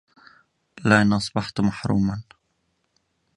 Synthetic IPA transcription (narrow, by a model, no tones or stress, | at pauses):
laʔnʔɑsˤbɑħt̪maħɾṵːman